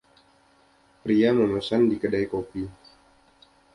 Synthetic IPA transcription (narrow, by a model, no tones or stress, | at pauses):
pɾiamənosandikədajkopi